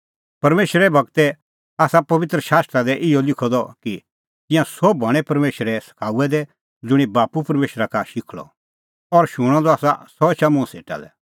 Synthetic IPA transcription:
pɐɾmeːʃɾɛbʱɐɡt̪ɛ | aːsapɐʋɪt̪ɾəʃaːst̪ɾad̪ɛʔɪɔlɪkʰɔd̪ɔki | t̪ɪ̃jãsɔbʱɐɽ̃ɛ̃pɐɾmeːʃɾɛsɐ̥kʰaːuɛd̪ɛ | d͡zʊɽ̃ibaːpupɐɾmeːʃɾakaʃɪkʰɭɔ̰ | ɔɾʃʊɽ̃ɔ̃d̪ɔaːsa̰sɔt͡ʃamʊ̃sḛːʈa̰lɛ̰

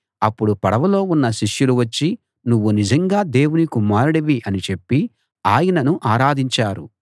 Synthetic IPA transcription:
ɐpːuɽupɐɽɐʋɐlo̞ːunːɐʃiʂjuluʋɐt͡ʃːi | nuʋːunid͡ʒɐŋɡaːd̪e̞ːwunikumaːɾuɽɐʋiʔɐnit͡ʃe̞pːi | aːjɐnɐnuʔaːɾaːd̪ʱiɲt͡ʃaːɾṵ

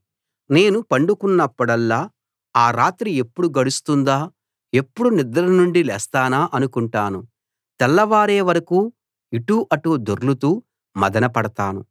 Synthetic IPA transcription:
ne̞ːnupɐɳɖukunːɐpːɐɽɐlːaː | aːɾaːt̪ɾie̞pːuɽuɡɐɽust̪und̪aː | e̞pːuɽunid̪ɐɾɐnuɳɖilɛ̰ːst̪aːnaːʔɐnukuɳʈaːnu | t̪ɛlːɐʋaːɾeːʋɐɾɐkuː | iʈuːʔɐʈuːd̪oɾlut̪uː | mɐd̪ɐnɐpɐɽɐt̪aːnṵ

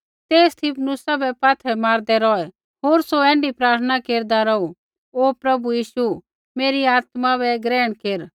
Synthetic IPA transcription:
t̪eːst̪ʰɪpʰnʊsabɛpaːt̪ʰɛmaːɾd̪ɛɾɔːɛ | ɦoːɾsoɛ̃ːɳɖipɾaːɾt̪ʰənakeːɾd̪aɾɔu | opɾɐbujiːʃu | meːɾiaːt̪maβɛɡɾɛːɽ̃keːɾ

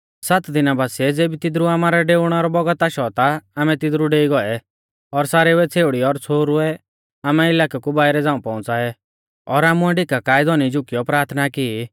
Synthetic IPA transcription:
sat̪d̪ɪnabaːsiɛd͡zeːbit̪ɪd̪ɾuaːmaɾɛɖeːʊɽ̃ɛɔɾɔbɔɡət̪aʃɔt̪aaːmɛ̃t̪ɪd̪ɾuɖeːiɡɔɛ | ɔɾsaːɾɛʊɛt͡sʰeːʊɽiɔɾt͡sʰoːɾʊɛ | aːmɛɪlaːkakubaːɪɾɛd͡zãːũpɔːʊ̃t͡saːɛ | ɔɾaːmuɛɖɪkakaːjɪd̪ɔnid͡ʒʊkijɔpɾaːɾt̪ʰnaki

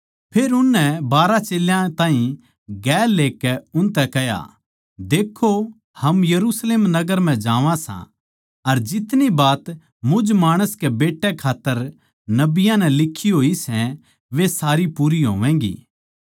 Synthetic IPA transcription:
pʰeːɾʊnːɛbaːɾat͡ʃeːljãt̪ãːɦĩ | ɡɛːlːeːkɛʊnt̪ɛkɛja̰ | d̪eːkʰːo | hɐmjɐɾusleːmnɐɡəɾm̤ɛ̃d͡ʒaːʋãsã̰ | ɐɾd͡ʒɪt̪nibaːt̪ | mʊd͡ʒmaːɽ̃əskebeːʈːɛkʰaːt̪ːəɾ | nɐbɪjãnɛlɪkʰːiɦoːisɛ̃ | ʋesaːɾipuːɾiɦo̰ːʋɛ̃ːɡḭː

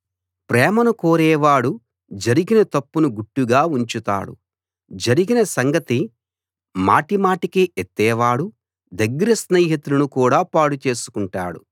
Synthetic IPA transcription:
pɾɛːmɐnukoːɾɛːʋaːɽu | d͡ʒɐɾiɡinɐt̪ɐpːunuɡuʈːuɡaːuɲt͡ʃut̪a̰ːɽṵ | d͡ʒɐɾiɡinɐsɐŋɡɐt̪i | ma̰ːʈimaːʈikiʔet̪ːɛːʋaːɽu | d̪ɐɡːɐɾɐsneːɦit̪ulunukuːɽaːpaːɽut͡ʃe̞ːsu̥kuɳʈa̰ːɽṵ

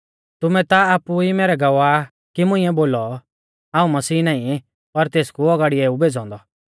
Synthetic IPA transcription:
t̪ʊmɛt̪aaːpuimeːɾɛɡɐʋa | kimʊ̃ɪ̃ːɛboːlɔ | aːũmɐsiːnaːĩ | pɐɾt̪eːskuɔɡaːɽieːubeːd͡zɔ̃ːnd̪ɔ

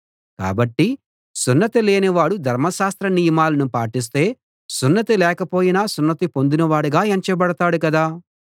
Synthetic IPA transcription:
ka̰ːbɐʈːi | sunːɐt̪ileːniʋaːɽud̪ʱɐɾmɐʃaːst̪ɾɐnijɐmaːlɐnupaːʈis̬t̪e̞ː | sunːɐt̪ilɛːkɐpo̞ːjinaːsunːɐt̪ipond̪unɐʋaːɽuɡaːɐɲt͡ʃɐbɐɽɐt̪aːɽukɐd̪aː

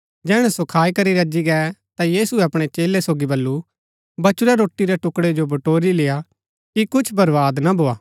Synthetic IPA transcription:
d͡ʒɛːɽ̃ɛ̃sokʰaːikɐɾiɾɐd͡ʒiɡɛːt̪ajiːsuɛɐpɽ̃et͡ʃeːlesoːɡibɐlːu | bɐt͡ʃʊɾɛɾoːʈːiɾɛʈʊkɽed͡ʒobɐʈoːɾileːa | kikʊt͡ʃʰbɐɾʋaːd̪nabʱoːaː

